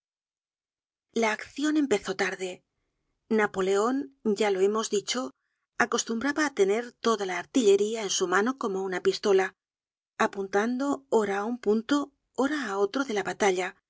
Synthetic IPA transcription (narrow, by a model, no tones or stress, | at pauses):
laːkθjo̞ne̞mpe̞θo̞t̪aɾðe̞ | napo̞le̞o̞nɟ͡ʝalo̞e̞mo̞zðit͡ʃo̞ | ako̞st̪umbɾaβaːt̪e̞ne̞ɾt̪o̞ðalaːɾt̪iʎe̞ɾiae̞nsumãno̞ko̞mounapist̪o̞la | apunt̪and̪o̞oɾaːumpunt̪o̞ | oɾaːo̞t̪ɾo̞ðe̞laβat̪aʎa